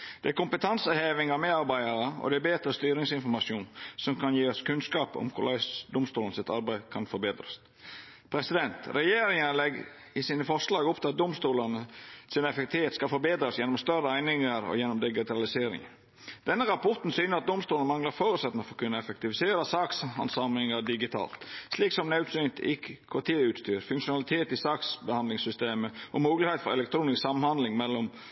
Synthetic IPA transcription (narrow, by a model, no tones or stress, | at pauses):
d̪̥ɛæɾkʊmpət̪ʰɑnsəheːʋɪŋɑmɛɑɾbæɪɑɾəɔ̰d̪ɛæbeːt̪ɾəst̪yːɾɪŋsɪnfɔɾmɑʂuːnsɔmkʰɑnjiːɔskʰʉnskɑːpɔ̰mkʰʊ̰ɾlʔæ̰ɪsd̪ʊmst̪uːlnəsɪt̪ɑɾbæɪkʰɑnfɔbeːd̪ɾəs | pʰɾɛsɪd̪ɛnt̪ɾɛjeːɾɪŋənəlɛɡ | ɪsiːnəfɔɾʂlɑːɡɔp̚ːt̪ʰɛɑt̪̚d̪ʊmst̪uːlənəsɪnɛfɛk̚t̪ɪeːt̪skɑlfɔɾbeːd̪ɾəsjɛnːɔmst̪œrəæɪnɪŋəɾɔ̰jɛnːɔmd̪ɪɡɪt̪ʰɑlɪseːɾɪ̰ŋ | d̪̥ɛnːəɾɑpʰɔɾt̪n̩syːnəɾɑt̪̚d̪ʊmst̪uːlnəmɑŋləɾfoːɾʉt̪sɛt̪nəfɔɾkʰʉnːəɛfɛk̚t̪ɪʋɪseːɾəsɑːksɑ̰nsɑmlɪŋəɾdɪɡɪt̪ʰɑ̰ːlt̪sliːksɔmnɑʉt̪synt̪ɪkːəkʰɑt̪ʰeːʉːt̪st̪yːɾfʉŋkʂʊnɑlɪt̪ʰeːt̪ɪsɑːksbəhɑnd̪lɪŋsʏst̪eːməʔɔmuːɡlɪhet̪fɔɾɛ̰lɛk̚t̪ʰɾuːnɪsksɑmːnhɑnd̪lɪŋmɛlːɔm